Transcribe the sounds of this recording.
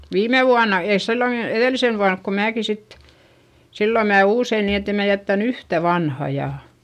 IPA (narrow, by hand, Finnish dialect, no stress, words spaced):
ʋiːme ʋuɑnɑ eis silːoŋki eðeˑlisen ʋuɑnk ko mæːki sit silːo mæː uːsein ni etːem mæ jætːæn yhtæ ʋɑnhɑ jɑ